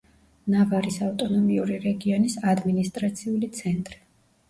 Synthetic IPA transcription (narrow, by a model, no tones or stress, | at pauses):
navaɾisaft̪ʼɔnɔmiuɾiɾɛɡiɔnisad̪minist̪ʼɾat̪sʰiulit̪sʰɛnt̪ʼɾi